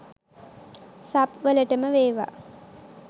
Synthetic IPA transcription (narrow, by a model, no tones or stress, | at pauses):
sapʋələʈəməʋeːʋa̰